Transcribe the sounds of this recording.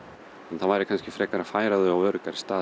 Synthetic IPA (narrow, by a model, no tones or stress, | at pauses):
ɛnθavaːjɾɪkʰanscɪ̥fɾɛːkaɾḁfaːjɾaðʏawœːɾʏkaɾɪ̥st̪aː